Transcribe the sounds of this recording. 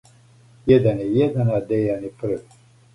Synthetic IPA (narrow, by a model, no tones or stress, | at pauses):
jɛd̪anijɛd̪anad̪ɛjanipʰɨɾɨ